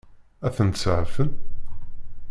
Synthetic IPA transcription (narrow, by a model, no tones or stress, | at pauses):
æθənt̪səʕfən